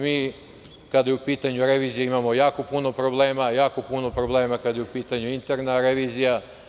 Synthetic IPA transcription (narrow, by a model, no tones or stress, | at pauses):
miː | kad̪ajeupiːt̪aɲuɾe̞ʋiːzijeimamo̞jaːko̞puno̞pɾo̞ble̞ːmajaːko̞puno̞pɾoble̞ːmakad̪jeupiːt̪aɲuint̪eɾnaɾeʋiːzija